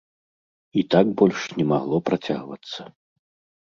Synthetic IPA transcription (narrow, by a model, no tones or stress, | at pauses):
it̪aɡbɔlʲʂnʲɛmaɣlˠɔpɾat͡sʲa̰ɣvɐ̰t̪sːɐ